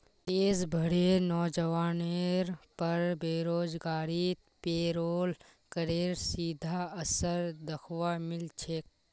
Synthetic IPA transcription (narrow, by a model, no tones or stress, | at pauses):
t̪eːzbʱəɽenɔːd͡ʒəʋaːneɾpəɾbeːɾoːd͡ʒɡaːɾit̪peːɾoːl | kəɾeːɾsiːd̪ʱaəsəɾd̪əkʰʋamɪlt͡ʃʰeːk